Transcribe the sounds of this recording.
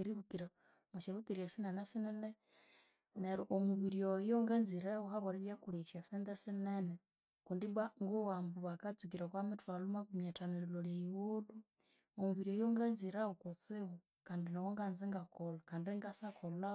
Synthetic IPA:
eɾiβukiɾa | muʃeβut̪iɾiasinenasinene | neɾoʔomuβiɾiojoŋɡanziɾeuhaβoɾeβjakuliʃasind̪esinene | kundiβwaŋɡuwambuβakat͡suk̬iɾakwamitwalumakumatanililoleiwulu | omuβiɾiojoŋɡanziɾaokot͡siβu | kaːndinawoŋɡanziŋɡakolakaːndiŋɡasakola

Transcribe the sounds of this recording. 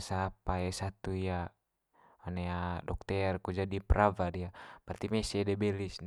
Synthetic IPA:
sapaɛsat̪uija | ɔnɛadɔ̰k̚t̪ɛrkud͡ʒadipɾavaɾijapart̪imɛsɛdɛbɛlisn

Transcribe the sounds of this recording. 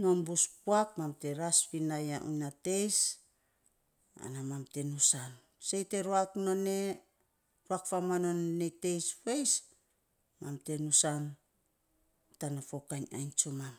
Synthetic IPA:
no̞mbuspuak̚mamte̞ɾaspinajaʔṵnate̞js | a̰namamte̞nusan | sejte̞ɾuakno̞ne̞ | ɾuakfamano̞nːete̞jspejs | mamte̞nusan | tanafo̞kaɲa̰jnt͡ʃomam

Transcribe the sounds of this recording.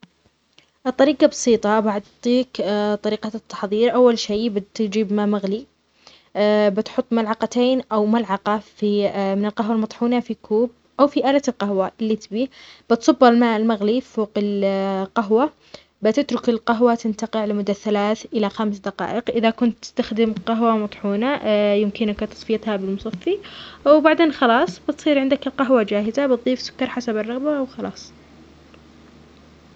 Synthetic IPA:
ʔt̪ˤːɑɾiːqɑbɑsˤiːt̪ˤɑbaʕʊt̪ˤːiːkt̪ˤɑɾiːqɑt̪ːɑ̥ħðˤiːɾʔawːalʃeːbɪt̪d͡ʒiːbmaːmaɣli | bɪt̪ħʊt̪ˤːmalʕɑqat̪eːnʔawmalʕɑqɑfimɪnɪlqaɦwalmɑt̪ˤħuːnafikʰuːb̚ | ʔawfiʔaːlat̪ɪlqahwaʔɪlːit̪biːb̥ɪt̪sˤɑbːalmaːʔɪlmaɣliffoːqɪlqaɦwa | bɪt̪ɪt̪ɾʊkɪlqaɦwat̪ɪnt̪aqɪʕlɪmʊd̪ːaθːalaːθʔɪlaxamsd̪ɑqɑ̰ːʔɪqʔɪðakʊnt̪ːɪ̥st̪axd̪ɪmqɑɦwamɑt̪ˤħuːnajɪmkɪnkt̪ɑ̥sˤfɪjat̪habɪlmʊsˤɑfːiʔawbaʕd̪eːnxɑlɑːsˤbɪt̪sˤiːɾʕɪnd̪akɪlqaɦwad͡ʒaːhɪzabɨt̪̚ˤðˤiːfsʊ̥kːɑɾˤħasabɑrˤːɑɣbaʔwxɑlɑ̰ːsˤ

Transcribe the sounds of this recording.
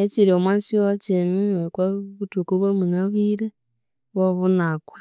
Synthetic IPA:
et͡ʃiɾiomwasiot͡ʃenuekaβutukuβamuŋaβiɾe | βoβunakwa

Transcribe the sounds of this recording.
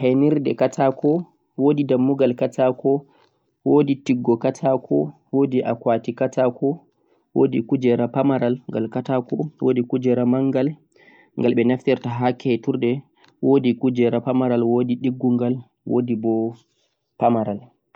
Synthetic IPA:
hɛniɾdɛkatʰakɔ | wodidamːuɡalkatakɔ | woditiɡːɔkatʰakʰɔ̰woːdiʔa̰kwatikatakɔ | wo̰ːdikud͡ʒɛɾapamaɾalŋɡalkatakɔwoːdikud͡ʒɛɾamaŋɡal | ŋɡalɓɛnaftɛɾtaɦakːɛɛtuɾdɛ | woːdikud͡ʒɛɾapamaɾalwodiɗiɡːuŋɡal | wo̰dibɔ | pamaɾal

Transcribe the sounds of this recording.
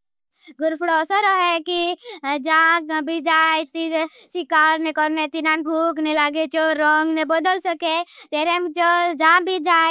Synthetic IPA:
ɡʊɾpʰɽɔsəɾɔɦɛkid͡ʒãkbʱid͡ʒajt̪i | sikaːɾnekɔɾnet̪inanbʱuknilaɡet͡ʃoɾɔŋɡnebəd̪əlsəket̪eɾemt͡ʃod͡ʒãbʱid͡ʒaj

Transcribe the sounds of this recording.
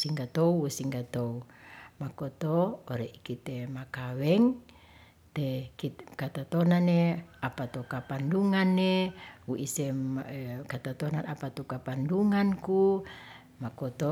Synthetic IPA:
siŋɡat̪ouwusiŋɡat̪oumakot̪oːɾeʔikit̪emakawɛŋ | t̪ekitkat̪at̪onaneapat̪okapanduŋanːewuʔise | kat̪at̪onanapat̪ukapanduŋanku | makot̪o

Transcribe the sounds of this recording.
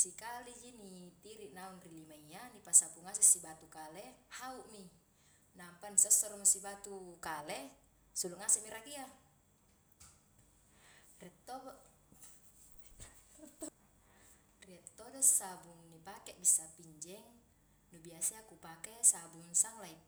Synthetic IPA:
sikalid͡ʒinit̪iɾiʔnaunrilimaianipasapuŋasɛsibat̪ukalɛhauʔmi | nampanisɔsːɔɾɔmsibat̪ukalɛ | suluʔŋasɛʔmiɾakia | rɛt̪ːɔ | riɛt̪ːɔdɔsabuŋnipakɛʔbisːapiɲd͡ʒɛŋ | nubiasiakupakɛsabuŋsaŋlai

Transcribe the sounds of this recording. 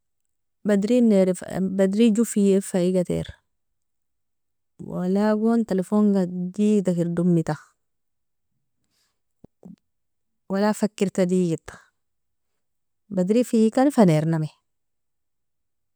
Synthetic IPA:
badɾineɾbad̪ɾid͡ʒufijefaiɡatḛɾ | wa̰laɡontelefoŋɡadiɡitakiɾdumːita | walafakːiɾtadiɡit̪ḁ | bad̪ɾifikanfaneɾname

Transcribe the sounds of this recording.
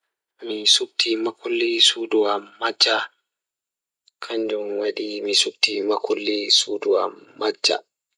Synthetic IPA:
misuk̚tʰimakulːisuduwamːad͡ʒːa | kʰaɲd͡ʒumwaɗimisuk̚timakʰulːisuduwa̰mːad͡ʒːa̰

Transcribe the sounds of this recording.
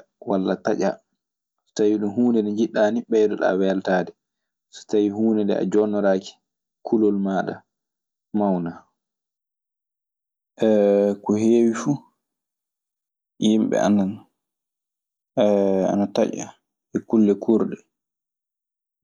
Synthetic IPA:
walːataʔa | sɔ̥tawiɗumɦuːnɛdɛɲd͡ʒiɗːaːniɓɛjdɔɗa̰wɛltaːdɛ | sɔ̥tawihuːnɛndɛ̰a̰d͡ʒɔnːɔɾaːki̥ | kʰulɔlmaːɗa̰ | mawna | ʔɛkɔheːwifu | jimɓɛ̰a̰nːan | a̰nataʔa̰ | ɛkulːɛkʰuɾɗɛ

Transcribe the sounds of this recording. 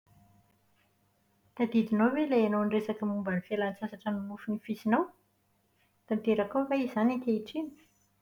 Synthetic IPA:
t̪ad̪id̪inowweleanownresakəmumbanifelant͡sasaʈ͡ʂənimufunifisinaw | d̪t̪ant̪eɾakawvaizanit̪eiʈ͡ʂini̥

